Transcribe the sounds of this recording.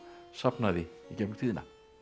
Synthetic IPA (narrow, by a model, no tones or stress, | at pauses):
sapnaðɪicɛmŋt̪ʰiːðɪna̰